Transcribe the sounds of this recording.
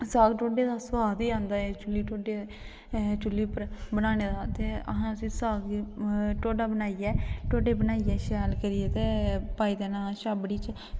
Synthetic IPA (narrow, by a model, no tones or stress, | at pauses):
saːɡʈoːɖeːd̪aːsʋaːd̪iːãːnd̪aːet͡ʃʊlːiːʈoːɖeː | t͡ʃʊlːiːpəɾbənaːneːd̪aːt̪eːə̰ɦãːəsĩːsaːɡ | ʈoːɖaːbənaːijɛːʈoːɖeːbənaːiːɛːʃɛːlkəɾieːt̪eːpaːiːd̪eːnãːʃaːbɽiːt͡ʃ